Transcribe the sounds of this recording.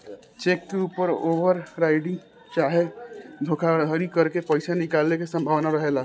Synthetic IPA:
t͡ʃeːkːeuːpəɾoːʋəɾɾaːɪɖɪ̃ŋɡ | t͡ʃaːɦed̪ʱoːkʰaɾd̪ʱəɾikɐɾkepɔːɪsanɪkaːlːekesɐ̃mbʱaːʋnaɾɐɦeːlaː

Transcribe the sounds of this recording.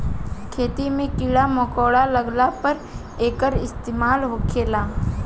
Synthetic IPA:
kʰeːt̪imẽkiːɽamɔkoːɽaləɡlapəɾ | eːkəɾɪst̪eːmaːlɦoːkʰeːlaː

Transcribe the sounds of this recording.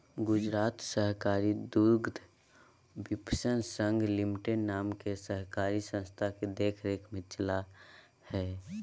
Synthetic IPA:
ɡʊd͡ʒɾaːt̪səɦkaːɾid̪uɾɡd̪ʱ | bɪpsənsə̃ŋɡlimiʈenːaːmkesəɦkaːɾisə̃nst̪ʰaked̪eːkʰɾeːkʰmẽt͡ʃəla | hɛː

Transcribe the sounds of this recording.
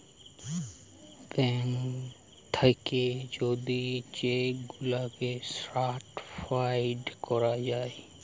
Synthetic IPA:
pɛːn | t̪ʰəked͡ʒoːd̪it͡ʃeɡʊlakesɾaːʈfaɪɖkɔɾad͡ʒaːe

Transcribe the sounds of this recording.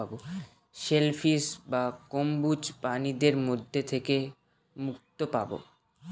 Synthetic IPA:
abo | ʃelfʰisbakombut͡ɕpanid̪eɾmod̪ʱːet̪ʰeke | muk̚t̪opabo̰

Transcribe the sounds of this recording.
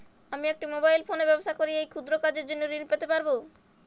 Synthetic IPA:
amiɛk̚ʈimobajlfʰonebɛbosakoɾiejkʰud̪ɾokad͡ʑeɾd͡ʑonːoɾinpet̪epaɾbo

